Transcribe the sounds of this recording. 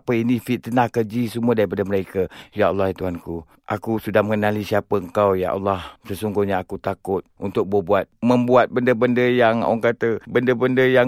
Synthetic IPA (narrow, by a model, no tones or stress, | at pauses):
pəinifɪt̪ːənahkəd͡ʒisəmuadaɾipadaməɾakajaʔalːahit̪uɦanku | ʔakusudahməŋənalisiapəəŋkawja̰ʔa̰lːahsəsuŋɡuhɲaːkut̪akʊt̪̚ʔunt̪ʊk̚bobuat̪̚məmbuat̪̚bəndəbəndəjaŋa̰ŋkat̪əbəndəbəndəjaŋ